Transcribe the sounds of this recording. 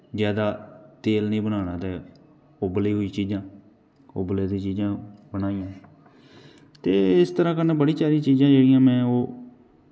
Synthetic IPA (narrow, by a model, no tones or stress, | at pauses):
zjaːd̪aːt̪eːlnĩːbənaːnaːt̪eː | obliːɦoːiːt͡ʃiːzãː | obleːd̪ĩːt͡ʃiːzãːbənaːijãː | t̪eːɪst̪əɾãːkənẽːbəɽĩːsaːɾĩːt͡ʃiːzãːd͡ʒeːɽɪjãːmɛ̃ːoː